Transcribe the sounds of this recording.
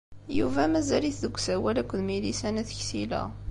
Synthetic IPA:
juvæmæzæliθðəɡʷːsæwælækʷːəðmilisænæθçsilæ̰

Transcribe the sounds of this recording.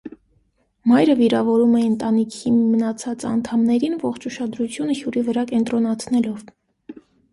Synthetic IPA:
mɑjɾəviɾɑvɔɾumɛənt̪ɑnikʰimənɑt͡sʰɑt͡sɑ̰nt̪ʰɑmnɛɾinvɔχt͡ʃʰuʃɑd̪ɾut͡sʰjunəhjuɾivəɾɑkɛnt̪ɾɔnɑt͡sʰnɛlɔv

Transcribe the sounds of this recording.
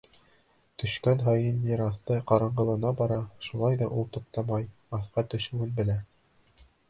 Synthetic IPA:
t̪ɵ̆ʃkænɦɑjɤnːʲiɾɑθt̪ɤqɑɾɑɴɢɤ̆lˠɤ̆nɑbɑɾɑʃulˠɑjðɑʔulˠt̪ŏq̚t̪ɑmɑj | ɑθqɑt̪ɵ̆ʃɘ̆wɘnbɘ̆læ

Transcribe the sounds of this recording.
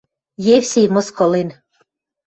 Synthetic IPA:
jewsʲejmɤ̆skɤ̆len

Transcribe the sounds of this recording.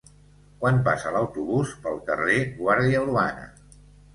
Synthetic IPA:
kwanp̬asələwt̪uβuspəlˠkəreɣwaɾðiəlua̰nə̰

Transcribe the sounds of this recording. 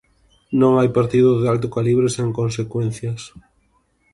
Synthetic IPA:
nõŋajpaɾt̪iðʊðealt̪̬ʊkaliβɾeseŋkonsekwenθjɐs

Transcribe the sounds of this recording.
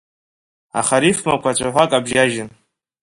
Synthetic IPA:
a̰χaɾifmakʷʰat͡ɕʷʰʼaħʷakʼabʒaʒɪn

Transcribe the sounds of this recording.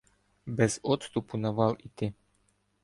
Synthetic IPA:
bɛzɔt̪st̪upunavalit̪ɪ

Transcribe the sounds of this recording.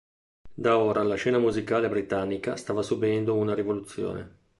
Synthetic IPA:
d̪aoːɾʔalaʃɛːnamuzikaːlebɾit̪anːikast̪aːvasubɛnd̪ounaɾivolut̪sːjo̰ːnḛ

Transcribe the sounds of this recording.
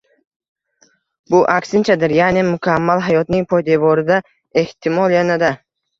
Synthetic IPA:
bʊʔakʲsɪnt͡ʃʰad̪ɪɾjanemʊkʲʰamːalɦajɒt̪nɪŋpʰɒjd̪ebɒɾɪd̪a | e̞ht̪ʰɪmɒlˠjanad̪a

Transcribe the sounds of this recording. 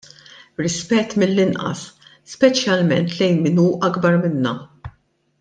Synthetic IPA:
ɾɪspɛt̪ːmɪlːɪnʔɐ̰sː | pɛt͡ʃjɐlmɛ̰nt̪lɛjnmɪnuːʔɐɡbɐɾmɪnːɐ

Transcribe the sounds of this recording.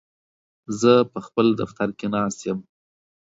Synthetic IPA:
zəpəxpəld̪aft̪aɾkenɑst̪jəm

